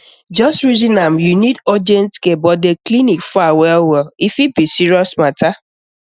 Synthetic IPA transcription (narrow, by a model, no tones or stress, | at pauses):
d͡ʒɔstɹizinamjunidɔd͡ʒɛntkebɔdeklinikfawɛlwɛlifibisiɾiɔsmata